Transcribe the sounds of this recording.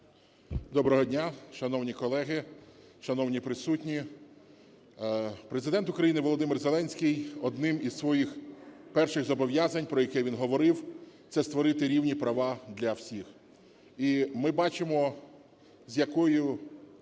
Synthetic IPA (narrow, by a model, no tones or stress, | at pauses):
d̪ɔbɾɔɦɔdʲnʲaʃɐnɔwnʲikɔlˠɛɦɪʃɐnɔwnʲipɾɪsutʲnʲi | pɾe̞zɪd̪ɛnt̪ʊkɾɐjinɪʋɔlˠɔd̪ɪmɪrzelˠɛnʲsʲkʲijɔd̪nɪmizsʋɔjixpɛrʃɪɣzɔbɔʋjazɐnʲpɾɔjɐkɛʋʲinɦɔʋɔɾɪwt̪sɛst̪ʋɔɾɪt̪ɪɾʲiwnʲipɾɐʋɑd̪lʲɐwsʲix | imɪbɑt͡ʃɪmɔ | zʲjɐkɔjʊ